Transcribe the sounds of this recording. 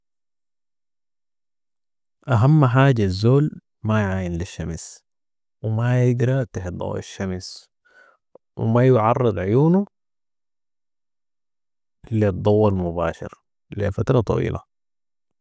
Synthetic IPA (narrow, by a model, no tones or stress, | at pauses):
ʔaɦamːħaːɟazːoːl | majʕaːjɪnliʃːams | wmajɪd̪ɾɑt̪aħd̪ˤɑ̰wa̰ʃːams | w̰majʊʕɑrˤːɨd̪ˤʕʊjuːnu | lid̪ˤːɑwːɑlmubaːʃɪ̰ɾ | lifat̪ɾˤɑt̪ˤɑ̰wḭːlʔa̰